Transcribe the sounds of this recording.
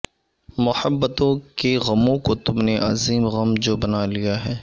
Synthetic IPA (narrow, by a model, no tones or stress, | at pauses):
mʊhəbːət̪õkeɣɐmõkot̪ʊmneʔɐziːmɣɐmd͡ʒoːbɐnalijaɦɛː